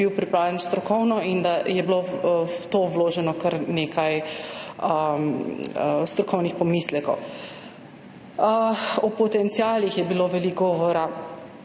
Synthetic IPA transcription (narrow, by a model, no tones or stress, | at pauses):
iwpɾipɾaːwlɛnst̪ɾɔkɔwnɔind̪ajɛbilowt̪owloːʒɛnɔkəɾneːkaj | ə | st̪ɾɔkɔwnixpɔmislɛkɔ̰w | ɔpɔt̪ɛnt̪siaːlixjɛbiloʋɛlikɡɔʋɔɾa